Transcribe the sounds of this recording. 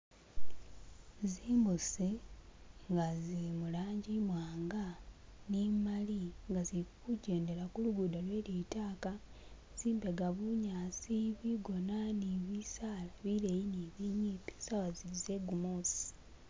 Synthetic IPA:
ziːmbusi | ŋɡazimulaːɲɟimwaːŋɡanimaliŋɡaziikukuɟe̞ːnde̞ɾakuluɡudalwe̞ːlitaːka | z̥iːmbeɡaβuɲaːsiβiɡo̞naniβisaːlaβiɾejineβiɲipe̥sawaziizeɡumosi̥

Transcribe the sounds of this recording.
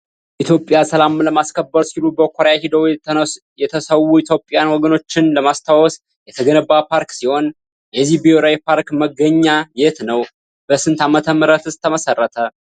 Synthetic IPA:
ʔit̪ʰjo̞pʼːjasəlamləmaskʰəbːəɾsilubəkʰʷoɾjahid̪əw | jɛt̪ʰəsəwːuit̪ʰjo̞pʼjanwɔɡəno̞t͡ʃːɪnləmast̪ʰawɔs | jɛt̪ʰəɡənəbapʰaɾksiho̞n | jɛzːihbioɾajpʰaɾkməɡːəɲːajet̪nəw | b̥əsɨnt̪ʰamət̪ʰəmːɨɾət̪ɨst̪ʰːəməsərːət̪ʰə

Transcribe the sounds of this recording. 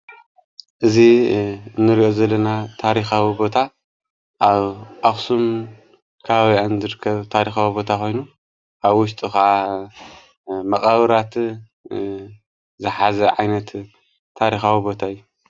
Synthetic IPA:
ʔɨziɨnːɨɾiʔo̞zɐlːɐnat̪ʰaɾixawibo̞t̪ʰa | ʔaβʔaxsum | kʰaβaβianzɨɾɨkʰːɐβt̪ʰaɾixawibo̞t̪ʰaxo̞jnu | ʔaβwʊʃ̬t̪ʼɨxa | mɐχʼɐβɨɾat̪ | zɨħazɐʕajnɐt̪ʰː | aɾixawibo̞t̪ʰaɨjːu

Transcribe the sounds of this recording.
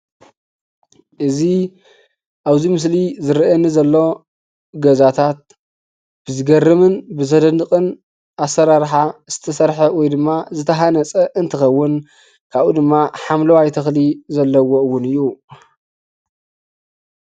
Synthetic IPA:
ʔɨzi | ʔaβzimɨs̬lizɨɾʔɐnːizɐlːo̞ | ɡɐzat̪ʰat̪̚ | b̥ɨzɨɡɐrɨmɨnbɨzɐd̪ɐnːɨkʼɨn | ʔasːɐɾaɾħaz̥ɨt̪ʰɐsɐɾħɐwɔjd̪ɨmːazɨt̪ʰɐɦanɐt͡sʼɐʔɨnt̪ʰɨxɐwːʊn | kʰaβʔud̪ɨmːaħamlɐwajt̪ʰɐxlizɐlːɐwoɨwːʊnɨjːu

